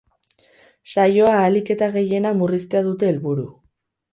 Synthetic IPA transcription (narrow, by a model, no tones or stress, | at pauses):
sajo̞aːlike̞t̪aɣe̞je̞namurist̪eaðut̪e̞ːlβuɾu